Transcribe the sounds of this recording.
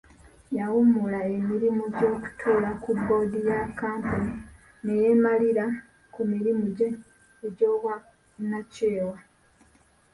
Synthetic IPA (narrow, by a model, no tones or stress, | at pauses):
jawumulae̞miɾimuɟo̞ːku̥tʰuːlakubːo̞ːdijakːaːmponi | ne̞jemaliɾa | kumiɾimuɟe̞ː | ɟo̞ːβwa | nace̞ːwa